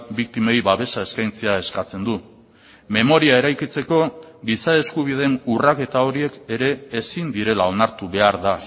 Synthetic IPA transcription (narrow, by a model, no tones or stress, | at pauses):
bik̚t̪ime̞jβaβe̞sae̞skajnt͡se̞ae̞skat͡se̞nd̪u | me̞mo̞ɾiae̞ɾajkit͡se̞ko̞ɡisae̞skuβ̞ið̞e̞nurake̞t̪ao̞ɾie̞ke̞ɾe̞ːsind̪iɾe̞lao̞naɾt̪uβe̞aɾða